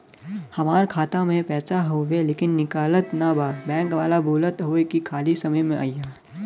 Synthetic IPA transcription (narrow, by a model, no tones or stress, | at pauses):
hɐmaːɾkʰaːt̪amẽpɛːsaɦoːʋeleːkɪnːɪkaːlət̪nabaːbɛ̃ːŋkʋaːlabʱuːlət̪ɦoːekikʰaːlisɐməjmẽʔa̰ːjjaː